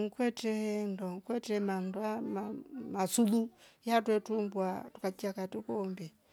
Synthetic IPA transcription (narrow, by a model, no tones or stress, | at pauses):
ŋkwɛtɛndɔŋkwɛtɛmandwamamasulujatwɛtumbwatu̥kat͡ʃiakatukɔmbɛ